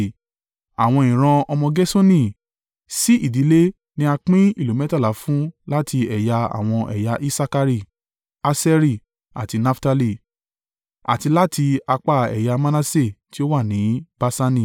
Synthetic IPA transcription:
a˨w̃ɔ̃˧ĩ˨ɾ̃ã˧ɔ˧mɔ̃˧ɡɛ˦so˦nĩ˦˨ | si˦i˦˨di˨˦le˦ | nĩ˦a˧k͡pĩ˦i˦˨lo˨mɛ˨˦ta˦la˨˦fũ˦la˦ti˧ɛ˨ja˧a̰˨w̃ɔ̃˧ʔɛ̰˨ja˧ʔi˦sa˦ka˧ɾi˦˨ | a˦sɛ˦ɾi˦˨ | a̰˨ti˧na˦fta˧li˦˨ | a̰˨ti˧la˦tʰi˧a˧k͡pa˦˨ɛ̰˨ja˧mã˦nã˦se˦˨ti˦o˦wa˦˨nĩ˨˦ba˦sa˧nĩ˦˨

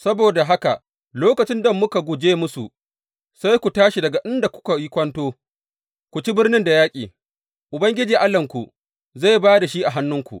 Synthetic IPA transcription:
sɐ˦boː˨da˨ɦa˦ka˨ | loː˦kɐ˨t͡ʃɪ˦ndɐ˨mːʊ˦ka˨ɡʷʊ˨d͡ʒeː˦mʊ˦su˨ʔ | sa˦jkʷu˨taː˦ʃi˨dɐ˨ɡa˨ʔɪ˦nda˨kʷʊ̥˦ka˨jɪ˦kʷɐ˦ntoː˦ | kʷu˨t͡ʃi˦bɪ˦rnɪ˦nda˨jaː˦kʲʼḭː˨ | ʔʊ˨bɐ˦ŋɡʲɪ˦d͡ʒiː˨ʔa˦lːɐ˨ŋkʷu˨ | za˦˨jbaː˦da˨ʃi˦ʔa˨ɦa˦nːʊ˦ŋkʷṵ˨ʔ

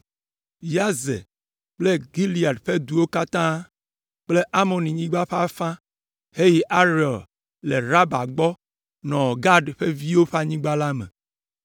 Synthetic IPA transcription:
ja˦zḛ˨ | k͡ple˦ɡi˦li˨a˨dɸe˦d̪u˨wo˦ka˦t̪ã˦ | k͡ple˦ʔa˦mɔ̃˨nĩ˨ɲĩ˦ɡ͡ba˦ɸa˦fã˦ | he˦ji˦ʔa˦ɾɔ˨l | le˨ɾa˦ba˨ɡ͡bɔ˦ | nɔ̃˨ɡa˦ɖɸe˦vi˦wo˦ɸa˦ɲĩ˦ɡ͡ba˦la˦mḛ̃˨

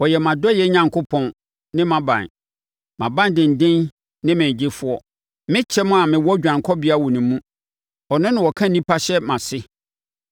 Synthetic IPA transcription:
wɔ˨jɛ˨mã˨dɔ˦jɛ˦ɲã˨ŋkʰʊ˦pʰɔ̃˨n | nɪ̃˦mã˨bã̰˨n | mã˨bã˦ndɪ̃˨n̩˨dɪ̃˦n | nɪ̃˦mɪ̃˨d͡ʑɪ˦fʊ˦ɔ˦ | mɪ̃˦t͡ɕʰɛ˦mʊ̃˦a˨mɪ̃˨wɔ˦d͡ʑᶣã˨ŋkʰɔ˦bɪ˦a˦˨wɔ˨nɪ̃˨mũ˦ | ɔ˨nʊ̃˦nɪ̃˨wɔ˨kʰã˦nĩ˦pʰa˦ɕɛ˦mã˨sɪ˦

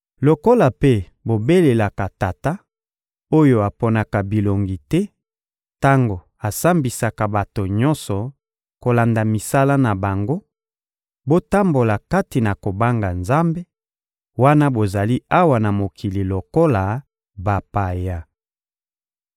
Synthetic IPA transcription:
lo˨ko˦la˨pe˦ | bo˨be˦le˨la˨ka˨ta˨ta˦ | o˦jo˨a˨po˨na˨ka˨bi˨lo˨ŋɡi˨tɛ˦ | ta˦ŋɡo˨ | a˨sa˦mbi˨sa˨ka˨ba˨to˨ɲɔ˦nsɔ˨ | ko˨la˨nda˨mi˨sa˦la˦na˨ba˨ŋɡo˦ | bo˦ta˦mbo˨la˨ka˦ti˨na˨ko˨ba˦ŋɡa˨nza˦mbe˦ | wa˦na˦bo˨za˨li˦a˦wa˨na˨mo˨kʰi˨li˨lo˨ko˦la˨ | ba˨pa˨ja˨

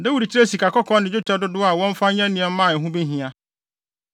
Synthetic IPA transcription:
dɛ̃˦wu˨ɾi˨t͡ɕʰi˦ɾe˦si˨ka˨kɔ˦kʰɔ̃˦nɪ̃˨d͡ʑʊ˦t͡ɕʰᶣɛ˦dʊ˦dʊ˦a˨wɔ̃˦m˦fa˦ɲã˦nĩ˨ɛ˨˦mãː˦˨ɦʊ̃˦bi˦ɦĩ˨a˦

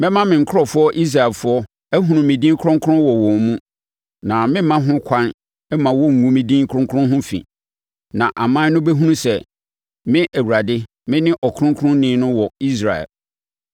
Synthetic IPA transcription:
mɛ̃˦mã˦mɪ̃˨ŋ̩˨kʰʊ˦ɾɔ˨fʊ˦ɔ˦ʔi˦s̬ɾa˨ɛ˨lfʊ˦ɔ˦ | æ˦ɦũ˨nũ˨mĩ˨dĩ˦ŋ˦kʰʊ̃˦ŋ˦kʰɾʊ̃˦wɔ˨wɔ̃˨m˨mũ˦ | nã˨mɪ̃˦mã˦ɦʊ̃˦kʷʰã˦n | ɛ˦mã˨wɔ˦ŋ̩˨ŋũ˦mĩ˨dĩ˦ŋkʰɾʊ̃˦ŋkʰʊ̃˦ɦʊ̃˦fḭ̃˨ | nã˨ʔa˨mã˦nʊ̃˦bɛ˦ɦũ˦ũ˦sɛ˨ | mɪ̃˦ʔæ˨wu˨ɾa˨dɪ˦ | mɪ̃˦nɪ̃˦ʔɔ˨kʰʊ̃˦kʰɾʊ̃˦nɪ̃˨˦nʊ̃˦wɔ˨i˦s̬ɾa̰˨ɛ̰˨l

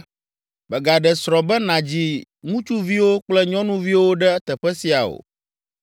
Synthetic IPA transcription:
bɛ˨ɡa˨ɖɛ˨sɾɔ˨bɛ˦nã˨d͡ʑi˦ŋũ˦t͡ʃu˦vi˦wo˦k͡plɛ˦ɲɔ̃˦nũ˦vi˦wo˦ɖɛ˦t̪ɛ˨ɸɛ˦si˨a˨o̰˨

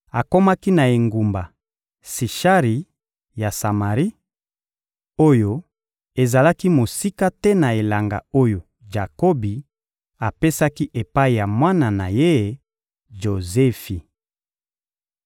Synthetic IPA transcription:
a˨ko˦ma˦ki˦na˨e˨ŋɡu˨mba˨ | si˨ʃa˦ʁi˨ | ja˨sa˨ma˨ʁi˦ | o˦jo˦ | e˨za˨la˦ki˦mo˨si˦ka˦tɛ˦na˨e˨la˨ŋɡa̰˨o˦jo˨ | ʒa˨ko˦bi˨ | a˨pe˦sa˦ki˦ʔe˨pa˦i˨ja˨mwa˦na˨na̰˨je˦˨ | ʒo˨ze˦fi˨

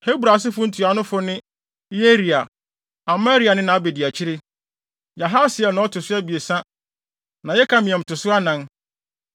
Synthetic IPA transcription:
he˦bɾa˨s̬ɪ˦fʊ˦n̩˦tʰu˨a˨nʊ̃˦fʊ˦nɪ̃˦ | je˦ɾi˨a˨ | a˨ma˦ɾi˨˦a˨nɪ̃˦nã˨a˦be˨di˨æ˨t͡ɕʰi˦ɾɪ˦ | ja˨ɦa˦sɪ˨ɛ˨nã˨ɔ˦tʰʊ˨sʊ˦a˦bi˨e˨sã˦ | nã˨jɛ˦kʰã˦mĩ˨ɛ̃˨m̩˨tʰʊ˨sʊ˦a˦nã˦n

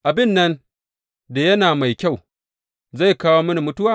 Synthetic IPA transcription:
ʔa˨bɪ˦˨nːɐ˦n | da˨jɐ˦naː˨ma˨jkʲa˦˨w | za˦˨jkaː˦woː˦mɐ˦ni˨mʊ˦tʊ˦waː˦

